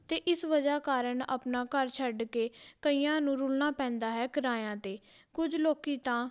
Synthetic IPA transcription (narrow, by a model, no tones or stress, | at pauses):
t̪eːʔɪsʋəd͡ʒaːkaːɾəɳa̰pnaːkəɾt͡ʃʰəɖkeːkəiːjãːnũːɾʊlnaːpɛ̃ːnd̪aːɦɛːkəɾaːjãːt̪eːkʊd͡ʒloːkiːt̪ãː